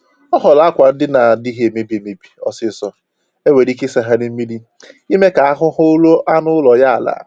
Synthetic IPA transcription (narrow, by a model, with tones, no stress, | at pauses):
ɔ˦ɦɔ˨la˦kʷa˨n̩˦dɪ˦na˨di˦ɦe˨me˦bi˨e˨me˨bi̥˨ɔ˨sɪ˦sɔ˨ | e˦we˨ɾi˦ke˦sa˨ɦa˦ni˦m̩˦mi˦li˦ | i˦me˦ka˨a˦ɦʊ˦ɦʊ˦lo˦ʔa˦nʊ˦ʊ˦lɔ˨ja˦a˨la̰˨